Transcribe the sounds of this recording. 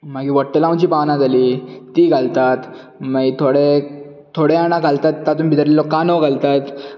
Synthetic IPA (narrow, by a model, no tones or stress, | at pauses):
maɡiːʋəɽʈəlãwt͡ɕiːpanãd͡zʱaliːt̪iːɡʱalt̪at̪ | maɡit̪ʰoɽe | t̪ʰoɽeanãɡʱalt̪at̪ːat̪uːnbʱit̪əɾlelɔkːanoɡʱalt̪at̪